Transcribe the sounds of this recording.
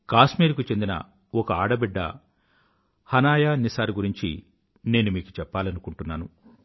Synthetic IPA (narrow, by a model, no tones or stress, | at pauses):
kaːsmiːɾkut͡ʃe̞nd̪inɐ̰ | ɔkɐaːɽɐbiɖːɐ̰ | hɐnaːjaːnisaːɾuɡuɾiɲt͡ʃḭ | ne̞ːnumiːku̥t͡ʃɛpːaːlɐnukuɳʈunːaːnu